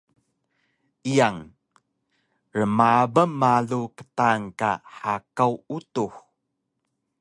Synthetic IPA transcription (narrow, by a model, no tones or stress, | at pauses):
ʔijaŋ | ɾəmabəmːaɮukə̥taŋka̰ħakawutux